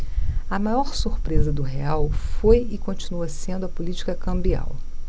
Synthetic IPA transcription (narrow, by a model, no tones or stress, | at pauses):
ɐmajɔɾsuɾpɾezɐd̪ʊɦeawfojɪkõt͡ʃinuɐsẽnd̪ʊɐpulit͡ʃi̥kɐkɐ̃mbia̰w